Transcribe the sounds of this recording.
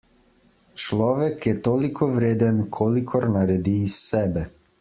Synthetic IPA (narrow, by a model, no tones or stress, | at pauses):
t͡ʃlˠɔvɛkɛt̪ɔlikɔvɾed̪ɛnkʰɔlikʰɔɾnaɾɛd̪iːsːɛbɛ